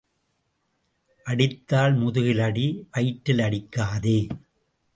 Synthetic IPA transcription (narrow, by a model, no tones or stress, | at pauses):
ʔɐɽɪt̪ːaːlmʊðʊɣɪlɐɽiʔɐɪʈːɪlɐɽɪkːaːðeː